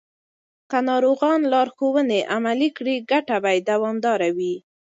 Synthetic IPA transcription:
kanɑɾoɣɑnlɑɾxowəneʔamalikɽiɡaʈabajd̪awɑmd̪ɑɾawi

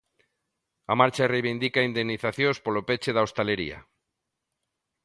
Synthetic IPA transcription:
amaɾt͡ʃarejβind̪ikaind̪enːiθaθjõspolopet͡ʃeðaost̪aleɾḭa̰

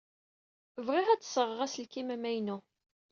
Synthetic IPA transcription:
vʁiʁæt͡sːsəʁʁæsəlkimæmæjnu

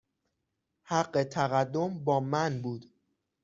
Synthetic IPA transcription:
hæɢːe̞t̪ʰæɣæd̪ːo̞mbɒːmænbuːd̪̥

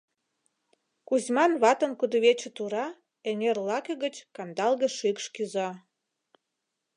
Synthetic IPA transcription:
kuzʲmɑnβɑt̪ə̆nkud̪əβet͡ɕə̆t̪uɾɑ | enʲerlɑkəɣət͡ɕkɑnd̪ɑlɣə̆ʃykʃkyzɑ

